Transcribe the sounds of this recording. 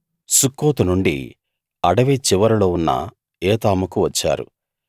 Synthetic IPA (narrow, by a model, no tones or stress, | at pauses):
sukːoːt̪unuɳɖḭ | ɐɽɐʋet͡ʃiʋɐɾulo̞ːunːɐ̰ | eːt̪aːmukuʋɐt͡ʃːa̰ːɾṵ